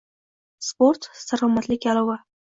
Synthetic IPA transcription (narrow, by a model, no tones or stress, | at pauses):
spoɾt̪ssaɾɒmat̪lɪkʲalˠɒva